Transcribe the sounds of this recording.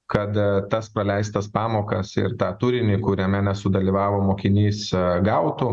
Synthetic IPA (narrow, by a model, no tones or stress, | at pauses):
kɐt̪t̪ɐspɾɐlʲɛɪst̪ɐspɑːmoːkɐsɪ̰ɾt̪ɑːt̪uɾʲɪnʲɪkʊɾʲɛmʲɛnʲɛsʊd̪ɐlʲiːʋɑːʋoːmoːkʲɪnʲiːsɡɐʊt̪u